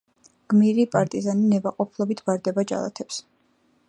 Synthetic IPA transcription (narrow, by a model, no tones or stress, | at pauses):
ɡ̥miɾipʼaɾt̪ʼizaninɛbaqʼɔpʰlˠɔbit̪ʰbaɾd̪ɛbad͡ʒa̰lˠa̰t̪ʰɛps